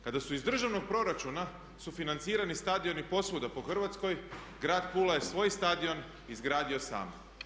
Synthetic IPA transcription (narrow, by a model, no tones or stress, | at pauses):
kad̪asuizd̪r̩ʒaʋno̞ɡ̚pɾo̞ɾat͡ʃuna | sufinant̪siːɾanist̪ad̪io̞nipo̞sʋud̪apo̞xr̩ʋat̪sko̞j | ɡɾaːd̪puːlaje̞sʋo̞ːjst̪ad̪io̞n | izɡɾaːd̪io̞sa̰ːm